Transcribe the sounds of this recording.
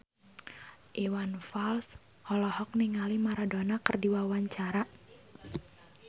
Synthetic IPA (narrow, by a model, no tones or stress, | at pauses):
ʔiwanfals | hɔlɔhɔk̚niŋalimaɾadonakərdiwawaɲt͡ʃaɾa